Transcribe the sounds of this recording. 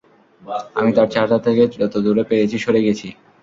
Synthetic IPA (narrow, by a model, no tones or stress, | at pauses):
amit̪aɾt͡ɕaɾʈat̪ʰekeɔt̪od̪uɾepeɾet͡ɕʰiʃoɾeɡet͡ɕʰi